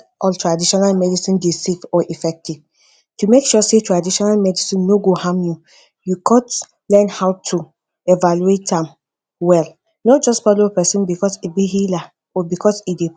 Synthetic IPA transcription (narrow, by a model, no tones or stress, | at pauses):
ɔltɹadiʃɔnalmɛdisĩndesefɔʔifɛk̚tiv | tumekʃɔsetɹadiʃɔnalmɛdisĩnːoɡohãmju | jukʰɔ̃nt | lɛ̃nhaʊtʰu | evaluetãm | wɛl | nɔt̚d͡ʒɔstfɔlopɛsĩnbikɔsibiɦila | ɔbikʰɔside